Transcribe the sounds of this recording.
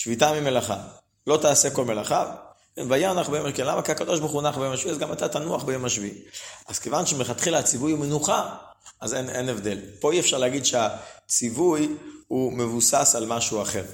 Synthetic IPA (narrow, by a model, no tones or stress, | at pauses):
ʃvitamimelaχa̰ | lo̞t̪aːse̞ko̞lmelaχa | kenvajanaχbejomakenlamakiakad̪o̞ʃ̬bχunaχbejomaʃviazɡamat̪at̪anuaχbejo̞maʃviʔaz̥kevanʃemeχat̪χilahat͡sivujumenuχa | azenenevd̪e̞lpo̞iefʃaʁleaɡid̪ʃeat͡sivujhume̞vusasalmaʃuaχe̞ʁ